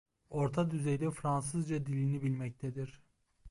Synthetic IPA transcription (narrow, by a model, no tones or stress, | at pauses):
o̞ɾt̪ʰad̪yzɛjd̪ɛfɾans̬ɯzd͡ʒad̪ilʲinibilʲmɛc̚t̪ʰɛd̪iɾ̥